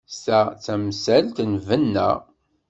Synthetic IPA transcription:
st̪æt͡sːæmsælt̪nvənːæ̰

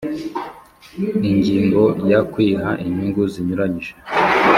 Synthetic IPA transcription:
iɲɟiːŋɡo̞jakwiːɦaʔiɲhiŋɡuziɲuɾaɲiʒe

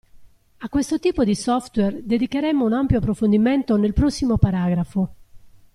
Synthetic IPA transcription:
akːwest̪ot̪iːpod̪isɔft̪wɛrd̪ed̪ikeɾɛmːounampjoapːɾofond̪iment̪onelpɾɔsːimopaɾaːɡɾafo

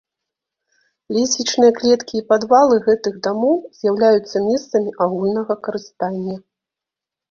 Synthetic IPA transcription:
lʲɛsʲit͡ʂnɨjɐklʲɛt̪kʲiːpad̪valˠɨɣɛt̪ɨɣd̪amɔwz̥ʲjawlʲajut̪sːɐmʲɛst̪sɐmʲiʔaɣulʲnɐɣɐkɐɾɨst̪anʲːɐ

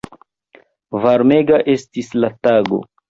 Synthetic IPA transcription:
vaɾme̞ɡaʔe̞stislataɡo̞̰

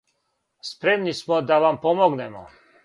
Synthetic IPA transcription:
spɾemnismod̪aʋampomoɡnemo̰

